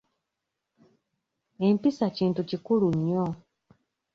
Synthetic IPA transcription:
e̞mpisaciːntucikuluɲːo

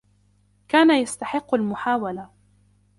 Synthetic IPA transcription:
kaːnajast̪aħɪqːalmʊħaːwala

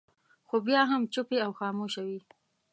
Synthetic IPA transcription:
xobjɑɦamt͡ʃʊpeawxɑmoʃawi

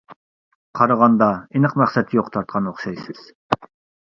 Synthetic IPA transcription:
qʰɑɾɑʁɑnd̪ɑinɨqmæχsɛt̪ʰjoqt̪ʰɑɾt̪̚qʰɑnoχʃɑjsɨz̥

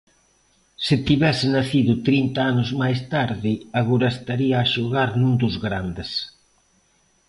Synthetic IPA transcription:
sɪt̪iβɛsɪnaθiðʊt̪ɾint̪aanʊzmajst̪aɾðɪaɣoɾɐest̪aɾiaːʃoɣaɾnũnd̪ʊzɣɾand̪ɪs

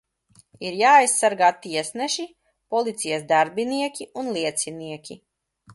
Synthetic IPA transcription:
iɾjaːajsːaɾɡaːt̪iɛsnɛʃi | pɔlˠit̪sijasd̪aɾbiniɛkʲiunlˠiɛt̪siniɛkʲʰi

